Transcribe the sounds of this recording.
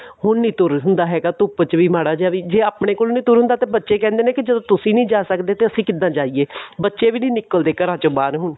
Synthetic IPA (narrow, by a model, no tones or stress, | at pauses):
ɦʊɳnĩːt̪ʊɾɦʊnd̪aːɦɛːɡaːt̪ʊpət͡ʃʋiːmaːɽaːd͡ʒaːʋiːd͡ʒeːaːpɽeːkoːlnĩːt̪ʊɾɦʊnd̪aːt̪eːbətːʃeːkɛ̃ːnd̪eːnẽːkɪd͡ʒəd̪õːt̪ʊsĩːnĩːd͡ʒaːsəkd̪eːt̪eːəsĩːkɪd̪ãːd͡ʒaːiːeːbətːʃeːʋiːnĩːnɪkːəld̪eːkəɾãːt͡ʃobaːɾɦʊɳ